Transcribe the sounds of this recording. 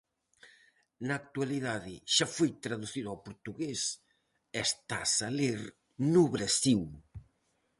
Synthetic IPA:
nɐːk̚t̪ualiðaðɪʃafojt̪ɾaðuθiðʊawpoɾt̪uɣes | ɛst̪asaleɾ | nuβɾasiw

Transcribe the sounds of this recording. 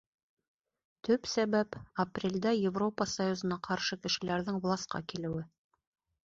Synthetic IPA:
t̪ʰɵpsæβæpɐprʲelʲd̪æjɪvro̞pəsajuzɤ̆nɑqʰɑɾʃɤkɘ̆ʃɘ̆læɾðɘŋvlˠɑsqɑ̰kilɘ̆wɘ

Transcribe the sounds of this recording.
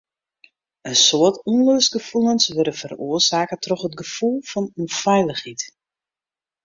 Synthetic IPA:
ənsoətuənløːsɡəfulˠənsʋøɾəfəroəsaːkətʰrɔxətɡəfulˠfɔnunfɛjləxit

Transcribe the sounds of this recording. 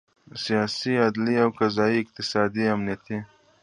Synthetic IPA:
sijɑsiad̪liawkazɑiɪq̚t̪ɪsɑd̪iamnijat̪i

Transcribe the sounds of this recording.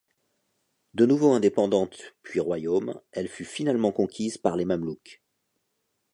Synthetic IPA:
d̪ənuvoɛ̃d̪epɑ̃d̪ɑ̃t̪pɥiʁwajomɛlfyfinalmɑ̃kɔ̃kʲizpaʁlemamluk

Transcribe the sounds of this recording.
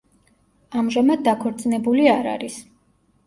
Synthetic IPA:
amʒamad̪̚ːakʰɔɾt̪sʼnɛbuliaɾa̰ɾis

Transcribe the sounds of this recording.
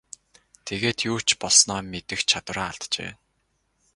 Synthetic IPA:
t̪ʰeɣeːt̪juːt͡ɕpɔɮsnɔːmet̪ɘ̆xt͡ɕʰat̪wə̆raːaɮt̪t͡ɕḛː

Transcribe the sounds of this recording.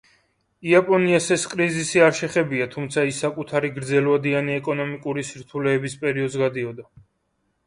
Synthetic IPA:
iapʼɔniasɛskʼɾizisiaɾʃɛχɛbiat̪ʰumt̪sʰaisːakʼut̪ʰaɾiɡɾd̪zɛlvad̪ianiɛkʼɔnɔmikʼuɾisiɾt̪ʰulɛːbispʼɛɾiɔd̪zɡad̪iɔd̪a

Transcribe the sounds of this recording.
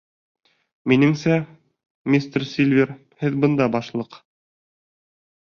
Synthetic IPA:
minɘŋsæ | mʲist̪rsʲilʲvʲer | hɘðbɤ̆nd̪ɑbɑʃlˠɤq

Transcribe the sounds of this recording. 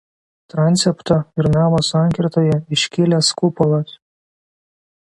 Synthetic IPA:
t̪ɾɑnʲt̪sʲɛpt̪ɐɪɾnɑːmoːsɑˑŋʲkʲɪɾt̪oːjɛɪʃʲkʲɪlʲɛskʊpɔlˠɐs

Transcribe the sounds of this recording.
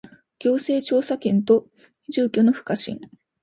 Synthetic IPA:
kʲo̞ːse̞ːt͡ɕo̞ːsakẽ̞nt̪o̞ | ʑɨːkʲo̞no̞ɸɯ̟̥kaɕḭ̃ŋ

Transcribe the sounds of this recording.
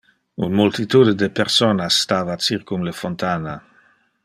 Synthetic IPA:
ṵnmult̪it̪ud̪ed̪epeɾsonasːt̪aːvat͡siɾkumlefont̪ana

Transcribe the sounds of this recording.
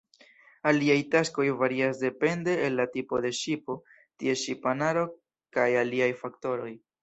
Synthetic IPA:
aliajtasko̞jvaɾiasde̞pe̞nde̞ːlːatipo̞de̞ʃipo̞ | tie̞ʃipanaɾo̞ | kajaliajfakto̞ɾo̞j

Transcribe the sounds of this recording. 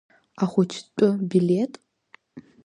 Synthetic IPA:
aχʷʊt͡ʃʰtʷʼʊbiletʼ

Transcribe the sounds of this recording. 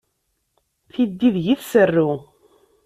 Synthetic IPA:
θid̪ːiðʝiθsərːu

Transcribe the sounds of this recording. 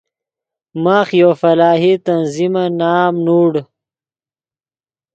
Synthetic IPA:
maːxjoːfɐlaːɦit̪ɐnzimanaːmnuːɽ

